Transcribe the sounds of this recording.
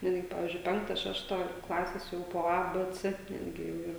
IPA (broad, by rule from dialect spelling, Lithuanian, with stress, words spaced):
ˈnʲæːdʲɡʲɪ ˈpɑːʋʲiːzʲd͡ʒʲʊɪ ˈpʲɛŋktɐ ˈʃʲæːʃtɐ ˈklˠɑːsʲeːs ˈjɛʊ poː ˈɐ ˈbɘ ˈt͡sɘ ˈnʲæːdʲɡʲɪ jɛʊ ˈiːr